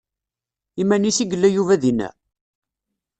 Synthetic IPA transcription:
imænisiɡəlːæjuvæðinæ̰

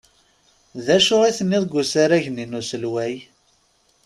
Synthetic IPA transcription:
ðæʃʊʁiθənːɪðˤɡʷːusaɾæʝninusəlwæj

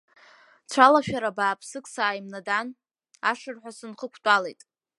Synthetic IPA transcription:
t͡ɕʷʰalaʃᶣaɾabaːpʰsɨkʼsaːjmnadan | aʂɨrħʷᶣasɨnχəkʷʰtʷʼalejtʼ

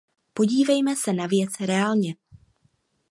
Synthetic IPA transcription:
po̞ɟiːvɛjmɛsɛnavjɛt͡sɾɛaːlɲɛ

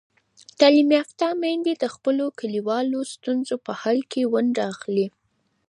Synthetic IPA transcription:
t̪ɑlimjaft̪ɑmend̪ed̪əxpəlokəliwɑlost̪unzopəhɑlkʰewaɳɖaxli

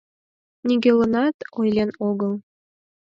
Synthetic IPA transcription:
nʲiɡʲelɤ̆nɑt̪ojlʲenoɣɤ̆lˠ

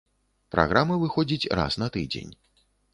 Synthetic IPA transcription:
pɾa̰ɣɾamɐvɨxɔd͡zʲit͡sʲra̰snɐt̪ɨd͡zʲḛnʲ

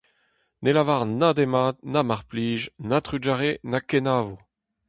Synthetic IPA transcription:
nʔelavaʁnad̪emad̪̚namaʁpliːʒnat̪ʁyd͡ʒaʁenakenaːvu

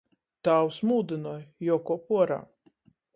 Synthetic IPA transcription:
t̪aːwsmuːd̪ɨnɔːjjɔːkɔpuɔɾa̰ː

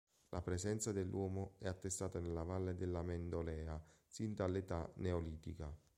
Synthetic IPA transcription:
lʔapɾeszɛnt̪sad̪elːwɔːmoɛat̪ːest̪aːt̪anelːavalːed̪elːamend̪olɛːasind̪alːet̪aneoliːt̪ika

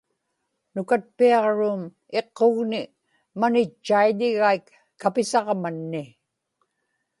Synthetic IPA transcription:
nʊkat̪̚piɑʁɻuːm | e̞qːoɣnɪ | manɪt͡ʃːaiʎɪɣaikː | apɪsɑʁmanːɪ

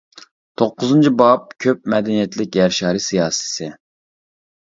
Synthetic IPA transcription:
t̪ʰoqːʊzɨnt͡ʃʰibɑp̚kʲʰøp̚mɛd̪ɛnijɛt̪lɪkʲjɛɾʃɑːɾisijɑːsɨ̥sɪ

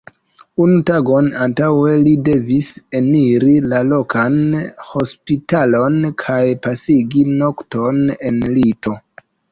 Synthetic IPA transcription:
unutaɡo̞nantawe̞lide̞vise̞niɾilalo̞kʰanho̞spitalo̞nkʰajpasiɡino̞kto̞ne̞nlito̞

